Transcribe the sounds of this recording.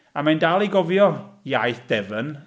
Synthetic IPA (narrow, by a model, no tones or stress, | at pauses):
amandalˠiɡɔvjɔjajθd̥ɛvən